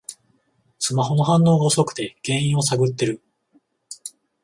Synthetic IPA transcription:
sɨmaɦo̞no̞ɦãnːo̞ːɡaoso̞kɯ̟̥t̪e̞ɡ̥ẽ̞ɰ̃ĩɰ̃o̞saɡɯ̟t̪ːe̞ɾɯ̟

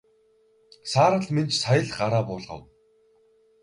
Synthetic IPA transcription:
saːɾə̆ɮment͡ɕsajə̆ɮɢaɾaːpʊːɮʁə̰̆w

